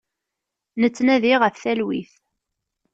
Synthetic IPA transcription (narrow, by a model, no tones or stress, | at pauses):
nət͡sːnæðiʁəfθælwiθ